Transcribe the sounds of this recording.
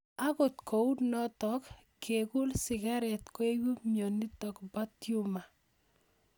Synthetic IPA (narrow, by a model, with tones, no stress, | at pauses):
a˦kʊ˨tkʰo˨u˦tnɔ˦t̪ɔkː | e˨ku˦lsɪ˨ɡa˦ɾɛ˨t̪kwe˦wu˦mjɔ˨ni˦tɔ˨kba˦tju˦ma˨